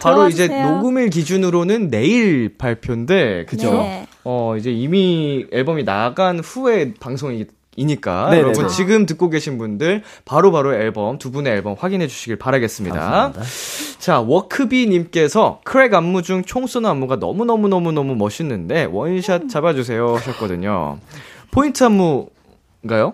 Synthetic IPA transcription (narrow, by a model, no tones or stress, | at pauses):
paɾoid͡ʑe̞noɡɯmiɭkid͡ʑunɯɾonɯnːe̞iɭpaɭpʰjonde̞kɯd͡ʑoʌid͡ʑe̞imieɭbʌmina̰ɡanɸue̞paŋsʰoŋi | iɲik͈a̰joɾʌbunt͡ɕiɡɯmt̬ɯk͈oɡe̞ɕʰinbundɯɭ | paɾopaɾoeɭbʌmtubune̞ːɭbʌmɸwaɡinɦe̞d͡ʑuɕʰiɡiɭpaɾaɡe̞s͈ɯmɲida̰ | t͡ɕawʌkʰɯbiɲimk͈e̞sʰʌkʰɯɾe̞ɡamːud͡ʑuŋt͡ɕʰoŋs͈ʰonamːuɡanʌ̰munʌmunʌmunʌmumʌɕʰinːɯnde̞wʌnɕʰat͡ɕ͈abad͡ʑus̬ʰe̞joɕʰʌt̚k͈ʌdɯɲo̰pʰointʰɯɦamːu | nɡajo